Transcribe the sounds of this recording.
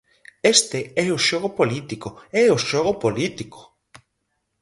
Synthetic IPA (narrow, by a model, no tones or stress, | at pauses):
est̪eɛoʃoɣopolit̪ikoɛoʃoɣopolit̪iko̥